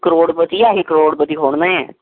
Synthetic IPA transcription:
kəɾoːɽpət̪iːaːɦiːkəɾoːɽpət̪iːkʰoːɳ̃nãːɛ̰̃ː

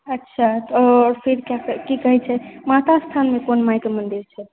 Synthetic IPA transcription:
ətːʃʰat̪ːɾpʰeɾkjakəkikəɦɛt͡ʃʰɛmat̪ast̪ʰanmekonmajkemənd̪iɾt͡ʃʰɛ

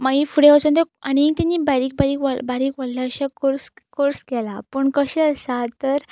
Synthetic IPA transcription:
maɡifuɽeəsənt̪eaɽ̃niit̪anːiːbaɾiːk̚baɾiːkʋabaɾiːkʋaɽlaəɕakoɾskoɾskɛlapəɳkəɕɛəsat̪əɾ

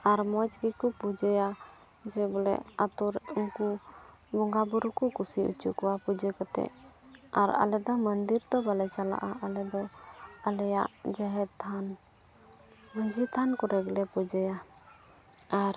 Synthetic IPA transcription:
aɾmɔt͡ʃɡɛkupud͡ʒɔja | d͡ʒɛbɔlɛ̰ʔat̪uɾuŋkubɔŋɡabuɾukukusiṵt͡ʃukɔwapud͡ʒəkɔt̪ɛ̰ʔaɾa̰lɛd̪ɔmənd̪iɾt̪ɔbalɛt͡ʃala̰ʔaʔalɛd̪ɔalɛjaʔd͡ʒaɦɛt̪ʰan | muɲd͡ʒit̪ʰankɔɾɛɡlɛpud͡ʒɔja | aɾ

